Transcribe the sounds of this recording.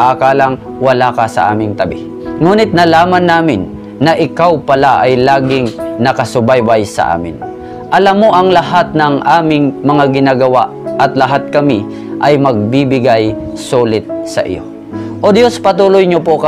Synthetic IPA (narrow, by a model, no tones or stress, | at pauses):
ʔakaːlaŋ | wɐlakɐsɐ̰ʔa̰ːmɪŋt̪ɐbɪ̰ | ŋuːnɪt̪̚nɐlaːmanːaːmɪnː | ɐʔɪkawpɐlaʔɐjlaːɡɪŋnɐkɐsʊbajbajsɐ̰ʔa̰ːmɪ̰n | ʔɐlamːoʔɐŋlɐhat̪̚nɐŋʔaːmɪŋmɐŋaɡɪnaːɡɐwaʔʔɐt̪lɐɦat̪̚kɐmi | ʔɐjmɐɡ̚bibɪɡaj | suːlɪt̪̚sɐ̰ʔɪ̰jo̰ | ʔod̪jospɐt̪uːlʊjɲopok